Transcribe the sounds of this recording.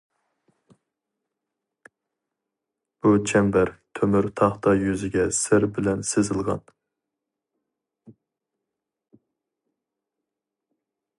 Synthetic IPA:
b̥ut͡ʃʰɛmbæɾt̪ʰømyɾt̪ʰɑχt̪ʰɑjyzɪɡʲɛsɪɾbɪlɛnsezɨlˠʁɑ̰n

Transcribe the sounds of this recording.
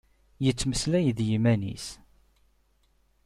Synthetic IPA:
jət͡sːməslæjðjimænḭs

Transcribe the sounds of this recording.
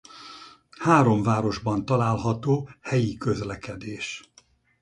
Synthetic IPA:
haːɾo̞mvaːɾo̞ʒbɒnt̪ɒlaːlɦɒt̪oːhɛjikøzlɛkɛd̪eːʃ

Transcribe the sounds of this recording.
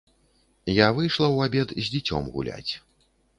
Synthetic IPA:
javɨjʂlˠɐwabʲɛd̪zʲd͡zʲit͡sʲɔ̰mɣṵlʲa̰t͡sʲ

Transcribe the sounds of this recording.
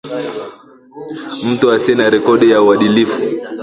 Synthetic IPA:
m̩tuasɛnaɾɛkɔɗijauwaɗilifu

